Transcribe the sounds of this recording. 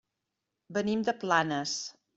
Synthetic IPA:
bənimd̪əplanəs

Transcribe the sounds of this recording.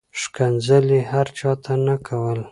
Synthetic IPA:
ʃkanzəlihaɾt͡ʃɑt̪ʰanakʰawəl

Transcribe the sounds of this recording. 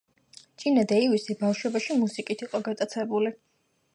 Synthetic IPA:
t͡ʃʼinad̪aiwisibafʃwɛbaʃimusikʼit̪ʰiqʼɔɡat̪ʼat̪sʰɛbuli

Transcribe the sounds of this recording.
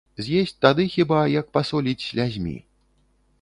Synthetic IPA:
zʲjesʲt͡sʲt̪ad̪ɨxʲibajɐk̚pasɔlʲit͡sʲsʲlʲazʲmʲḭ

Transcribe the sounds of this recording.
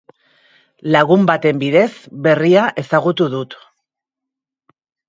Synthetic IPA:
laɣumbat̪e̞mbiðe̞zβe̞riaʔe̞saɣut̪uðut̪

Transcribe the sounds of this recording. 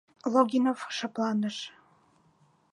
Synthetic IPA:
lˠoɡʲinofʃɤ̆plˠɑnd̪ɤʃ

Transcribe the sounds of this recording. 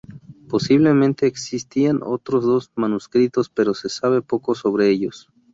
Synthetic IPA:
po̞siβle̞mẽ̞nt̪e̞ːksist̪iano̞̰t̪ɾo̞zðo̞zmanuskɾit̪o̞spe̞ɾo̞se̞saβ̞e̞po̞ko̞so̞βɾe̞eʝo̞s

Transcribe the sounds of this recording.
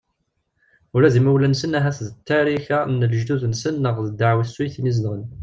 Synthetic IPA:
ʊɾæðiməwlænsənæɦæθðət̪ʰːæɾiçænːələʒd̪uðnsənːəʁðəd̪ːaʕwisːwiθiniznʁən

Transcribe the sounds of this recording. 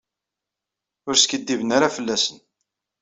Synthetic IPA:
ʊɾskəd̪ːivənaɾafəlːæsən

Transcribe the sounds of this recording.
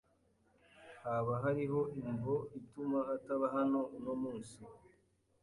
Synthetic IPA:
haβaɦaɾiɦo̞ʔiɱvoitumaːtaβaɦano̞unomuːnsi

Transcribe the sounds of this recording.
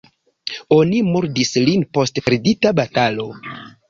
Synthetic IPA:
o̞nimoɾdislinpo̞stpeɾditabatalo̞

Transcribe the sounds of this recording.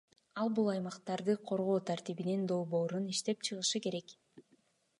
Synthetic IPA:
ɑlˠbulˠɑjmɑqt̪ɑɾd̪ɯqʰo̞ɾʁo̞ːt̪ʰaɾt̪iβinind̪o̞lˠbo̞ːɾuniʃt̪e̞p̚t͡ʃʰɯʁɯʃɯke̞ɾe̞k

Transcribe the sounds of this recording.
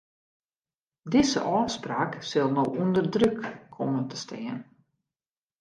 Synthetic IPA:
dɪzə̰ʔɔːspraːksɪlˠnowʔundərdrøkːʰomətə̥stɪən

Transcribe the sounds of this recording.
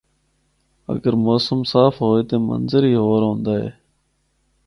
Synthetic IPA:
ə̰ɡəɾmoːsəmsaːfɦoːeːt̪eːmə̰nzəɾiːɦoːɾɦõːnd̪aːɦḛː

